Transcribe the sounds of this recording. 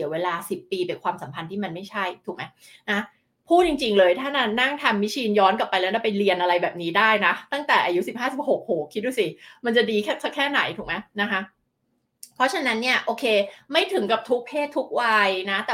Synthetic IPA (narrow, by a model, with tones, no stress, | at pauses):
i˩˦weː˧laː˧si˨˩pːiː˧pe˧nkʰwaː˧msa˩˦mpʰa˧nt̪ʰiː˥˩ma˧nma˥˩jt͡ɕʰa˥˩jt̪ʰu˨˩kma˦j | na˦˥ | pʰuː˥˩t̪̚t͡ɕi˧ŋt͡ɕi˧ŋlɤː˧jt̪ʰaː˥˩na˥˩na˥˩ŋt̪ʰa˧mːi˦˥t͡ɕʰiː˧njɔː˦˥nka˨˩pːa˧jlɛː˦˥na˥˩pa˧jli˧ənʔa˧ɾa˧jbɛː˨˩p̚niː˦˥daː˥˩jna˦˥t̪a˥˩ŋt̪ɛː˨˩ʔaː˧ju˦˥si˨˩p̚haː˥˩si˨˩p̚ho˨˩k̚ho˨˩kʰːi˦˥du˧˥˩si˨˩ma˧nt͡ɕa˨˩diː˧kʰɛ˥˩sʰa˦˥kʰːɛː˥˩na̰˩˦jt̪ʰuː˨˩ma˦˥jna˦˥kʰa˦˥ | pʰɾɔ˦˥t͡ɕʰa˧na˦˥nːi˥˩ɐʔoː˧kʰeː˧ma˥˩jt̪ʰɯ˨˩˦ŋka˨˩p̚t̪ʰu˦˥k̚pʰeː˥˩t̪ʰːu˦˥k̚wa˧jna˦˥t̪ɛ˨